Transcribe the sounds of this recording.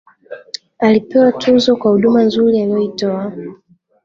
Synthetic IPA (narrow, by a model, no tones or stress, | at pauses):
alipɛwatʰuzɔkwahuɗumanzuɾialijɔitɔa